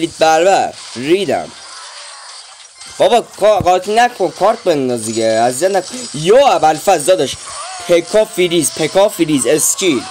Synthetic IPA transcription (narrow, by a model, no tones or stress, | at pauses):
lit̪̚bæɾvæɾɾiːd̪æ̰m | b̥ɒbɒkʰːɡɒːɾt̪ʰinækʰonkʰɒɾt̪̚bend̪ɒzd̪iɡeæzizjæt̪nækʰonjɔːæbælfæzd̪ɒːd̪ɒʃpʰekʰɒfiɾiːzpʰekʰɒfiɾiːzest͡ʃʰil